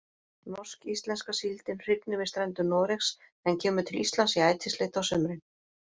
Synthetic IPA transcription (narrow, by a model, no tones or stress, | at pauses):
nɔskist̪lɛnskasilt̪ɪnr̥ɪp̪nɪvɪst̪ɾɛnt̪ʏnɔːɾɛxs | ɛncʰɛːmʏt̪ʰɪlist̪lansiaːjt̪ʰɪst̪lɪht̪awsʏmɾɪn